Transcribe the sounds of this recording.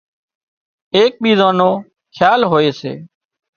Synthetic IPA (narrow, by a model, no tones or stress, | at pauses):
eːk̚ɓʱiːzãːnoː | kʰjaːlɦoːeːsḛː